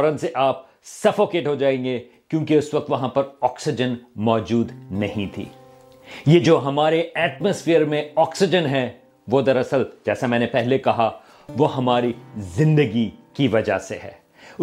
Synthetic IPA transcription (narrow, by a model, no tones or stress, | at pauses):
ɔɾənseʔaːp̚ | sɐfoːkeːʈɦod͡ʒaːẽːŋɡe | kjõːkeʊsʋɐk̚t̪ʋɐɦãpɐɾɔːksɪd͡ʒənmɔːd͡ʒuːd̪nɐɦĩt̪ʰḭː | jed͡ʒoːɦɐmaːɾeɛːʈməsfɪːəɾmẽɔːksɪd͡ʒənɦɛ | ʋod̪ɐɾɐsəld͡ʒɛːsamɛ̃ːnepɛɦlekɐɦa | ʋoɦɐmaːɾizɪ̃nd̪əɡikiʋɐd͡ʒa̰seɦɛ̰ː